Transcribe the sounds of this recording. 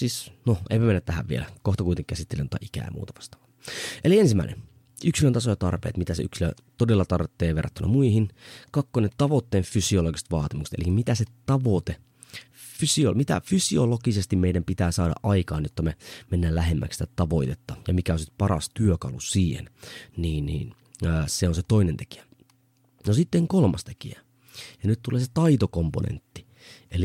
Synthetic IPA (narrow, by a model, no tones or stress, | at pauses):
siːsnoḛipæmenːæt̪t̪æhæ̰ʋʋiḛlækoht̪ɑkuit̪eŋkæsit̪ːelḛnot̪ɑ̰ʔikæ̰ːj̰mṵːt̪ɑʋɑ̥st̪ɑːʋɑ | ʔeliensimːæˑinḛn | yksilønt̪ɑsojɑt̪ɑ̰rpḛːt̪mit̪æseyksilø̰ | t̪odelːɑt̪ɑrt̪ːeːʋerːɑt̪ːynːɑ̰muihinkɑkːonett̪ɑʋot̪ːeːɱfysioloɡise̥t̪ʋɑːt̪imukse̥t̪elikːæmit̪æset̪ɑʋot̪e | fysiomit̪æ̰fysiolokisest̪imeidæmpit̪æːsɑːdɑ̰ʔʔɑikɑːnjot̪ːɑmemenːæːlæɦemːæ̰ksi̥t̪æt̪ɑʋoit̪et̪ːɑjɑmikæonsit̪̚pɑrɑ̰st̪yøkɑ̰lusiːhḛnniːnnḭːnː | seonset̪oinent̪e̥ki̥æ̥ | nosit̪ːeŋkolmɑst̪e̥kḭæ | jɑnyt̪t̪uleːset̪ɑit̪okompo̰nḛnt̪ːi̥ | ʔeli